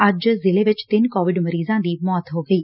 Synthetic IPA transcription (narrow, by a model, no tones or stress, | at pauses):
ɐd͡ʒzɪleːʋɪt͡ʃt̪ɪnkɔːʋɪɖməɾiːzãːd̪iːmɔːt̪ɦoːɡəiː